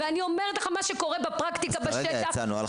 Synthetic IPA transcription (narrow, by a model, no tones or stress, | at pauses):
veanio̞meʁet̪leχamaʃeko̞ʁebapʁakt̪ikabaʃed̪asanua̰l